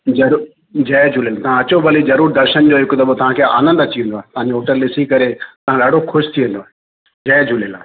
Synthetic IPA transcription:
d͡ʑɐɾu | d͡ʑɛːd͡ʑʱʊleːlt̪ɐ̤ãɐt͡ɕobʱəlizɐɾuːɾd̪ɐɾʃənd͡ʑoːɦɪkd̪ɐbot̪ɐɦãːkʰea̰ːnə̃nd̪ɐt͡ɕiʋə̃nd̪oaːɦet̪ɐʋãɲd͡ʑooːʈəɾlɪsikɐɾet̪ɐʋ̤ãːlaːɽokʰʊʃt̪ʰiːʋə̃nd̪oaːɦe | d͡ʑɛːd͡ʑʱʊleːla̰ːɦe

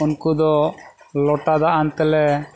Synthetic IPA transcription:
unkud̪ɔ | lɔʈad̪aʔant̪ɛlɛ

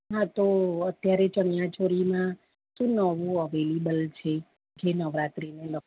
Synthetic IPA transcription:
ɦãt̪oət̪jaɾet͡ʃəɳijãt͡ʃoɾimã | ʃũnəʋoəʋelibəlt͡ʃʰe | d͡ʒenəʋɾat̪ɾinelə

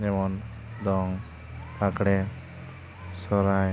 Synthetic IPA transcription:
d͡ʒɛmɔn | d̪ɔŋ | ɾaɡɽɛ | sɔɾaj

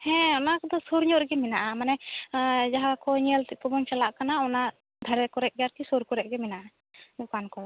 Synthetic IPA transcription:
hɛ̃ɔnakɔd̪ɔsoɾɲɔʔɾɡɛmɛnaʔamanɛ | d͡ʒaɦakɔɲɛlt̪ɛʔt̪ɔbɔɲt͡ʃalaʔkanaɔna | d̪ʱaɾɛkɔɾɛʔ̚ˀɡaɾt̪isɔɾkɔɾɛʔ̚ɡɛmɛnaʔa | d̪ɔkankɔ

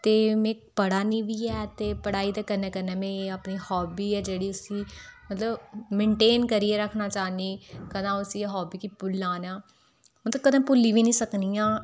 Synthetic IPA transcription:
t̪eːmẽːpəɽaːnĩːʋiːɛːt̪eːpəɽaːiːd̪aːkəɾnɛːkəɾnɛːmẽːəpniːhɔːbiːɛːd͡ʒeːɽiːʊsiːmət̪ləbmẽːɳʈeːnkəɾiːɛːɾəkʰnaːt͡ʃaːniːkəd̪ãːʊsiːɦɔːbiːkiːpʊlːaːnaː | mt̪əkəd̪ãːpʊlːiːʋiːnĩːsəkniːãː

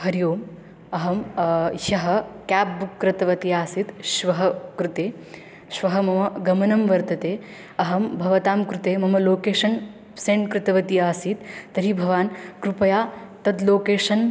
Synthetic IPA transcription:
ɦɐɾjoːm | ɐɦɐmjɐɦɐ̆kaːp̚bukːɾɐt̪ɐʋɐt̪iaːsit̪ʃʋɐɦɐkɾut̪eː | ʃʋɐɦɐmɐmɐɡɐmɐnɐmʋɐɾt̪ɐt̪eː | ɐɦɐmbʱɐʋɐt̪aːmkɾut̪eːmɐmɐloːkeːʃɐn | seːɳkɾɪt̪ɐʋɐt̪iaːsiːt̪ːɐɾibʱɐʋaːnkɾupɐjaːt̪ɐd̪loːkeːʂɐn

